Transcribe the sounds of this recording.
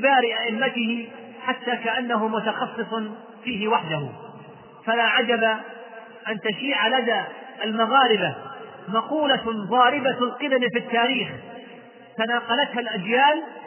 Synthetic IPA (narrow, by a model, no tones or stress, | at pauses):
baːɾɪʔaʔɪmːat̪ɪhɪ | ħat̪ːaːkaʔanːaɦʊmʊt̪ɑxɑsˤːɨsˤ | fiːɦɪwaħd̪ahʊ | falaʕad͡ʒaba | ʔant̪aʃiːʕalad̪aʔalmaɣɑːɾɪba | mɑquːlaɣˤɑːɾɪbalqɨd̪amfit̪ːaːɾiːx | t̪anaːqɑlat̪halʔad͡ʒjaːl